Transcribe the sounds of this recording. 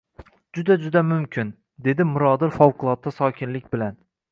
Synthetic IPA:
d͡ʒʊd̪ad͡ʒʊd̪amʊmkʲʰɪn | d̪e̞d̪ɪmʊɾɒd̪ɪɾfɒwqʊlˠɒt̪ːasɒːkʲʰɪnlɪk̚ʲbɪlan

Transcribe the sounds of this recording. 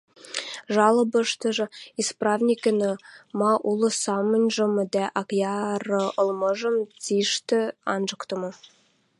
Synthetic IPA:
ʒɑlɤ̆bə̆ʃt̪ə̆ʒɤ̆isprɑvnʲikə̆nə̆mɑʔulˠɤ̆sɑmə̆nʲʒɤ̆md̪æʔɑkjɑrɤ̆ʔɤ̆lˠmɤʒə̆mt͡siʃt̪ɘ̆ɑnʒəkt̪ə̆mɤ̆

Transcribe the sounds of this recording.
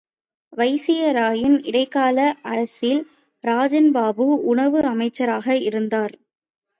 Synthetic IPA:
ʋɐɪsɪjɐɾaːjɪnɪɽɐɪkːaːlɐʔɐɾɐsɪl | ɾaːd͡ʒɐnbaːbɯʊɳɐʋɯɐmɐɪt͡ʃːɐɾaːɣɐɪɾɯnd̪aːɾ

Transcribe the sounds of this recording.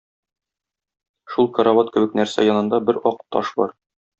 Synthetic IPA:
ʃulˠkɐ̆ɾavɑt̪kɘ̆bɘk̚næɾsæ̰jɒnɤ̆nd̪ɑbɘɾɒqt̪ɒ̰ʃbɒ̰ɾ

